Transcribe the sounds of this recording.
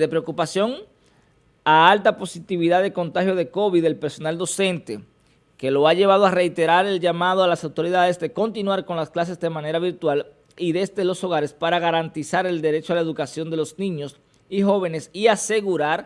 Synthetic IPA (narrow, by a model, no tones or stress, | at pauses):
ðe̞pɾe̞okupasjo̞ŋ | aalt̪apo̞sit̪iβiðaðeko̞nt̪axhjo̞ðe̞ko̞βiðe̞lpe̞ɾso̞nald̪o̞se̞nt̪e̞ | ke̞lo̞aʝe̞βað̞o̞are̞jt̪e̞ɾaɾe̞lʝamað̞oalasawt̪o̞ɾiðaðe̞sd̪e̞ko̞nt̪inwaɾko̞nlasklas̬e̞zd̪e̞mãne̞ɾaβiɾt̪wal | iðe̞st̪elo̞so̞ɣ̞aɾe̞spaɾaɣaɾant̪isaɾe̞ld̪e̞ɾet͡ʃoalae̞ðukasjo̞nd̪e̞lo̞snĩɲo̞s | iho̞β̞e̞ne̞siase̞ɣuɾaɾ